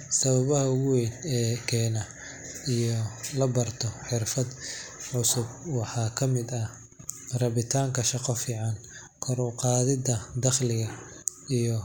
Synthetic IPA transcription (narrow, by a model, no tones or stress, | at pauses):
sɐβɐβɐɦɐwɛjnɛːkʰɛːnɐ | ijɔlɐbɐrt̪ʰɔħɪrfɐd̪ʕʊsʊb̚wɑħɑːkʰɐmɪd̪ɐ | rɐβɪt̪ʰaːŋkʰɐʃɑqɔfiːʕɑn | kʰɔɾʊqɑːðɪd̪ɐd̪ɐχlɪɣɐijɔ